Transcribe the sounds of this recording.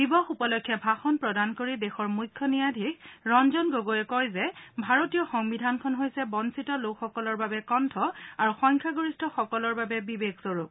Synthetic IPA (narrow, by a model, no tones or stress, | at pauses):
dibɔxupɔlɔkʰːjɛbʱaxɔnpɹɔdankoɹidɛxɔɹmujkʰːɔnijadʱikɹɔnzɔnɡoɡoɛkɔjzɛbʱaɹotijɔxɔŋbidʱankʰɔnɦojsɛbɔnsitɔlokxːɔkɔlɔɹbabɛkɔntʰɔaɹuxɔɲkʰaɡoɹistʰɔxɔkɔlɔɹbabɛbibeksoɹup̚